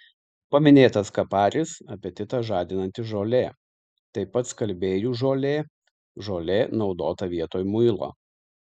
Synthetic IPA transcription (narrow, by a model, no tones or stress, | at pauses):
pɐmʲɪnʲeːt̪ɐskɐpɑːɾʲɪsɐpʲiɛt̪ʲɪt̪ɐʒɑːd̪ʲɪnɐnʲt̪ʲɪʒoːlʲeː | t̪ɐɪpɐt̪skɐlʲbʲeːjuːʒoːlʲeː | ʒoːlʲeːnɒʊd̪oːt̪ɐʋʲiɛt̪oːjmʊɪlˠo̰ː